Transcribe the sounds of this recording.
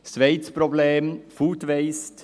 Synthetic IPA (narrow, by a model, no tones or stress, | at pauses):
ʃʋɛɪt̪spɾobleːmfuːtʋɛɪst